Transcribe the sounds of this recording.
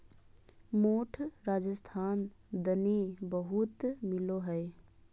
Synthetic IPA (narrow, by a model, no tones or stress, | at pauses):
moːʈʰɾaːd͡ʒəst̪ʰaːnd̪ənibəɦut̪mɪloɦɛj